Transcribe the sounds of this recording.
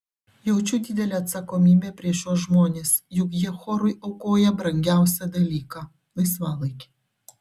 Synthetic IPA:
jɛʊt͡ʃʲuːd̪ʲɪd̪ʲɛlʲeɐt̪sɐkomʲiːbʲepʲɾʲiɛʃjoːʒmoːnʲeːsjʊkjiɛxoːɾʊjʔɐʊkoːjɛbɾɐŋʲɡʲæˑʊsʲɛd̪ɐlʲiːkɑ | lˠɐɪsʋɑːlˠɐɪkʲe̥

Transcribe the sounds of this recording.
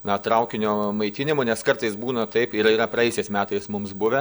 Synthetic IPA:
nɐt̪ɾɐʊkʲɪnʲoːmɐɪt̪ʲɪnʲɪmʊnʲɛskɐrt̪ɐɪsbuːnɐt̪ɐɪpɪɾiːɾɐpɾɐɛɪjʊsʲɛɪsmʲæːt̪ɐɪsmʊmsbʊʋʲɛ

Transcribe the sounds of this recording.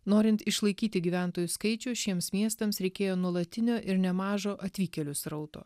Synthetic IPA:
noːɾʲɪnt̪ɪʃlˠɐɪkʲiːt̪ʲɪɡʲiːʋʲæˑnt̪oːjʊskɐɪt͡ʃʲʊːʃʲiɛmsmʲiɛst̪ɐmsɾʲɛɪkʲeːjoːnuɔlˠɐt̪ʲɪnʲoːʔɪɾnʲɛmɑːʒoːʔɐt̪ʲʋʲiːkʲɛlʲʊsɾɐʊt̪o̰ː

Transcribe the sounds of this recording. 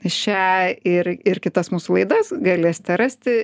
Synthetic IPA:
ʃʲæɪɾɪɾkʲɪt̪ɐsmuːsulˠɐɪd̪ɐsɡɐlʲesʲt̪ʲɛɾɐsʲt̪ʲɪ

